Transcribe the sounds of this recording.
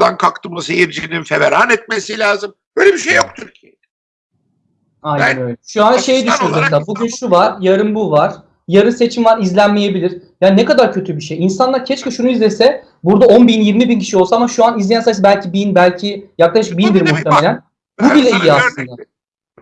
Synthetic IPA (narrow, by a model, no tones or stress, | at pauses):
d̪ankʰakt̪ʰɯmˠɯsejiɾd͡ʒininfeveɾanɛt̪̚mesilʲaːzɯmbøːjlʲebiʃejːok̚t̪ʰyɾcʰijed̪ɛ | ajnænøjlʲɛʃuanʃe̞jd̪yʃynozast̪abuɟynʃuvaɾ̥jaɾɯmbuvaɾ̥ | jaɾɯnse̞t͡ʃʰimvaɾizlʲænmeje̞bilʲiɾ̥jaːnnɛkad̪aɾcʰø̞t̪ʰybiʃejinsanlˠaɾcʰɛt͡ʃkɯʃunuizlʲesɛ | buɾd̪ao̞nbinjiɾmibincʰi̥ʃiolˠsaamaʃuanizlʲejænsajsɛbælʲcʰibinbælʲcʰijaklˠaʃɯk̚bind̪iɾmuht̪ʰemelʲæn | bubilʲɛijiasllˠɯnd̪a